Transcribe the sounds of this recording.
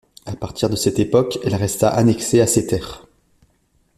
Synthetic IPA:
apaʁt̪iʁd̪əsɛt̪epɔkɛlʁɛst̪a̰ʔanɛkseaset̪ɛːʁ

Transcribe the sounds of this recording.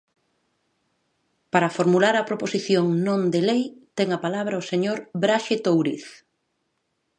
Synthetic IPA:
paɾɐfoɾmulaɾɐpɾoposiθjoŋnõnd̪elejt̪ɛŋɐpalaβ̞ɾɐoseɲoɾβɾaʃet̪owɾḭθ

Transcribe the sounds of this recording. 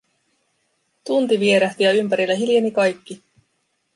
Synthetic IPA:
t̪unt̪iʋie̞ɾæht̪iɑympæɾilːæɦiljenikɑjkːi

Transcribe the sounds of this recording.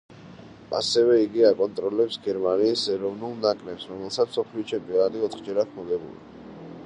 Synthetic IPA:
a̰sɛvɛiɡiakʼɔnt̪ʼɾɔlɛpsɡɛɾmaniːsɛɾɔvnulˠnakʼɾɛpsɾɔmɛlˠsamsɔpʰliɔt͡ʃʰɛmpʼiɔnat̪ʼiɔt̪χd͡ʒɛɾat̪ʰmɔd̪ɛbṵlḭ

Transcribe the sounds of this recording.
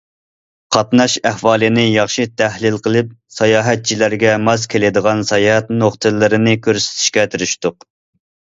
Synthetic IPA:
qʰɑt̪nɑʃæhwɑːlˠɨnɪjɑχʃɨt̪ʰæhlɪlˠqəlˠɨp̚sɑjɑːɦɛt̪̚t͡ʃʰilæɾɡʲɛmɑzkʲʰelɪd̪əʁɑnsɑjɑːhɛt̪noχt̪ʰɨlːɨɾɨnɪkʲøɾsɪ̥t̪ʰɪ̥ʃkʲɛt̪ʰyɾyʃt̪ʊq

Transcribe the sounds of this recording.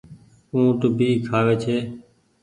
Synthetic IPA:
ũːt̪ʊbiːkʰaːʋeːt͡ʃʰeː

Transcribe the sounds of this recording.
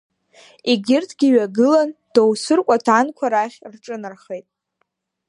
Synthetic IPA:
iɡʲɪrtʰɡʲiɥaɡɨland̥owsɨrkʷʼatʰankʷʰaɾaχʲrʈ͡ʂʼɨnɨrχejtʼ

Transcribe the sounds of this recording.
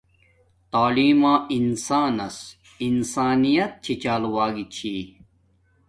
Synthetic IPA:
t̪aːliːmãːʔinsaːnɐs | insaːnijɐt̪̚t͡ɕʰit͡ɕaːlwaːɡit͡ɕʰiː

